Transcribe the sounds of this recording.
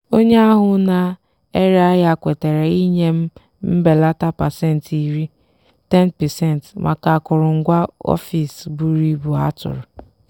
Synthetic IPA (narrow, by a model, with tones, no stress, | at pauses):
o˦ɲe˦a˦ɦʊ˨na˨ | e˦ɾe˦a˦ja˨kʷe˨te˨ɾe˨i˦ɲe˦m̩˦ | m̩˦be˨la˦ta˦pa˨se˦˨n̩˨ti˦˨ɾi˦ | te˦npɛ˨se˦˨n˨tmʔa̰˨ka˨kʊ˨ɾʊ˨ŋ̩˦ɡʷa˦ɔ̰˦fi˨sbu˨ɾi˦bu˨a̰˦tʊ̰˨ɾʊ˨